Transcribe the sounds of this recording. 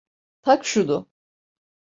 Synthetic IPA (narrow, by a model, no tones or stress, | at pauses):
t̪ʰakʃud̪ʊ